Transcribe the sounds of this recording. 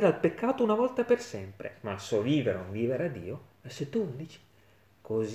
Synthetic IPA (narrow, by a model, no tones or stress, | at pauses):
ɾalpekʰːaːt̪ounavɔlt̪apersɛmpɾḛmalsɔviːveɾeuɱviːveɾad̪ḭːo | aset̪ːund̪it͡ʃi̥ | koz